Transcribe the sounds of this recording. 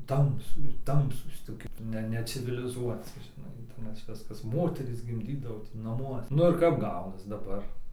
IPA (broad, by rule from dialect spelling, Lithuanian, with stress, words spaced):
ˈtɐmsʊ ˈtɐmsuːs toːˈkʲɪ ˈnʲɛ nʲɛt͡sʲɪʋʲɪlʲɪˈzuɔt͡sʲɪ ʒʲɪˈnɐɪ nʲɛs ˈʋʲɪskɐs ˈmoːtʲɛrʲiːs ɡʲɪmʲˈdʲiːdɐʋoː tʲɪ nɐˈmuɔsʲɛ ˈnʊ ɪr kɐp ˈɡɐʊnɐs dɐˈbɐr